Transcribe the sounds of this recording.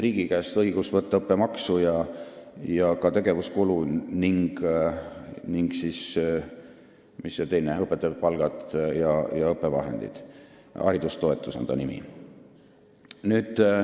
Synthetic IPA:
riːɡ̥ikæːst̪ɤiɡ̥usvɤt̪ˑːɑɤpːˑemɑksujɑ | jɑkɑt̪e̞ɡe̞vuskuluniŋɡ̥ | niŋɡsis | misːot̪e̞jneɤpːˑe̞t̪ːˑɑb̚pɑlɡ̥ɑt̪jɑjɑɤpːˑe̞vɑ̰ɦḛnd̪ḭd̪̥ | ɑ̰ɾid̪ust̪o̞e̞t̪ːˑusɑ̰nd̪ɑ̰nimḭ | nyːd̪̥

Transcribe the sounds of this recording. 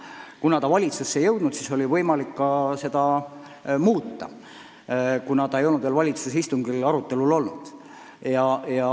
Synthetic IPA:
kunɑt̪ɑvɑlʲit̪susːe̞jɤwd̪nut̪siso̞lʲivɤjmɑlikːɑse̞d̪̥ɑ | muːt̪ˑːɑ̰ | kunɑt̪ɑejo̞lnud̪velvɑlʲit̪susist̪uŋɡilɑɾut̪ːˑe̞lulo̞lnud̪̥ | jɑjɑ

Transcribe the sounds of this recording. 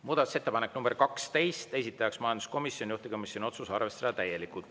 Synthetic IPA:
muːd̪̥ɑt̪u̥se̞t̪ːe̞pɑnekːnumb̥erkɑkst̪e̞jst̪e̞sʲit̪ːˑɑjɑksmɑjɑnd̪u̥sko̞misjo̞nʲijuht̪ekomisʲjonio̞t̪susɑrve̞st̪ed̪̥ɑt̪æje̞likˑult̪

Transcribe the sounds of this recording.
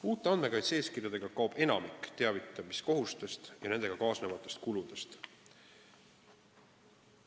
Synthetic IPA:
uːt̪ːˑe̞ɑn̥me̞kɑjt̪seːskirjɑd̪e̞ɡ̥ɑkɑwb̥e̞nɑ̰mikːˑt̪eɑvit̪ːˑɑmisko̞ɦust̪e̞st̪jɑne̞nd̪e̞ɡ̥ɑkɑːsnevɑt̪ːˑe̞st̪kulud̪̥e̞st̪

